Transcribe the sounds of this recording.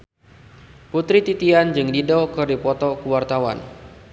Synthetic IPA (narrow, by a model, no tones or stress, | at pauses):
put̪ɾit̪it̪iand͡ʒɨŋdidɔkɨrdipɔt̪ɔkuwart̪awa̰n